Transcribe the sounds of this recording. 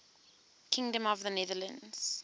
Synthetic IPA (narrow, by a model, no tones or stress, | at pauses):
kʰɪ̃ŋdə̃mɔvðənɛðələ̃nz̥